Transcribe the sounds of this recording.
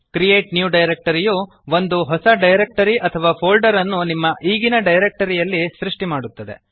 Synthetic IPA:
kɾijeːʈnjuːɖɐjɾek̚ʈɐɾijuː | ʋond̪uɦɔsɐɖɐjɾek̚ʈɐɾiʔɐt̪ʰɐʋaːpʰoːlɖɐɾɐnːunimːɐʔiːɡinɐɖɐjɾek̚ʈɐɾijɐlːisɾiʂʈimaːɽut̪ːɐd̪e̞̰

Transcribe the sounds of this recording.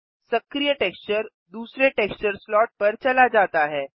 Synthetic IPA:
səkɾijəʈekst͡ɕəɾ | d̪uːsɾeʈekst͡ɕəɾslɔʈ̚pəɾt͡ɕɐlad͡ʒat̪aɦɛː

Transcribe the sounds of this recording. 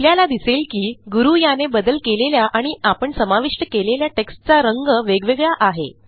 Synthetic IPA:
ljalad̪iselkiːɡuɾujanebəd̪əlkeleljaʔaɽ̃iapəɳsəmaʋiʂʈəkeleljaʈekst͡saɾəŋɡəʋeɡʋeɡɭaʔaɦḛ

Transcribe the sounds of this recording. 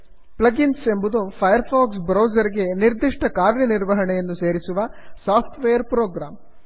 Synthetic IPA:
plɐɡinse̞mbud̪upʰɐjɐɾpʰaːksbɾoːzɐɾiɡe̞niɾd̪iʂʈɐkaːɾjɐniɾʋɐɦɐɳɛjɐnːuse̞ːɾisuʋɐsaːpʰʈʋejɐɾpɾoːɡɾaːm

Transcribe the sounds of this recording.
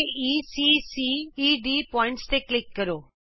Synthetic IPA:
isisiiɖipɔːɪ̃ɳʈst̪eklɪkːɐɾo

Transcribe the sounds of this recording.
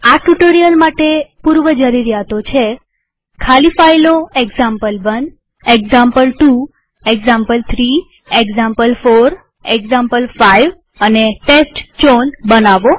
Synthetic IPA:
aʈuʈoɾijəlmaʈepuɾʋəd͡ʒəɾiɾjat̪ot͡ʃʰe | kʰalifailoeɡzampəlʋən | eɡzampəlʈu | eɡzampəlt̪ʰɾi | eɡzãmpəlfoɾ | eɡzampəlfaiʋ | əneʈesʈt͡ʃonbənaʋo

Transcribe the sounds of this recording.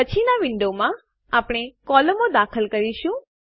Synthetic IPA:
ət͡ʃʰinaʋɪɳɖomã | apɽ̃ekɔləmod̪akʰəlkəɾiʃũ

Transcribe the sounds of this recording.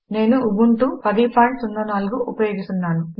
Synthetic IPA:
ne̞ːnuuɡuɳʈuːpɐd̪ipʰaːɳʈsunːɐnaːluɡuʔːpɐjo̞ːɡist̪unːaːnu

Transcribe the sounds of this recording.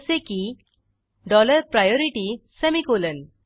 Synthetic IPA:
seki | ɖɔləɾpɾajɔɾiʈisəmikolən

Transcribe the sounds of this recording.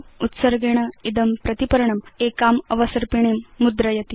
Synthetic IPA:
ut̪sɐɾɡeɳ̃ɐid̪ɐmpɾɐt̪ipɐɾɳɐmekaːmɐʋɐsɐɾpiɳ̃eːmːud̪ɾɐjɐt̪i

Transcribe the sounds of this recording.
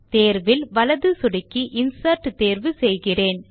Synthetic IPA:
t̪eːɾʋɪlʋɐlɐðɯsʊɽɪkːiʔɪnsɐɾʈːt̪eːɾʋɯsɛjɣɪreːn

